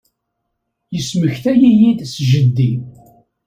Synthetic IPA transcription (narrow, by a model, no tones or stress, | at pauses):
jəsməçθæjijid̪sʒəd̪ːi